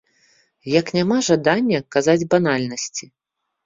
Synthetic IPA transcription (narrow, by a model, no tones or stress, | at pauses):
jɐknʲamaʐad̪anʲːɐkazad͡zʲbanalʲnɐsʲt͡sʲi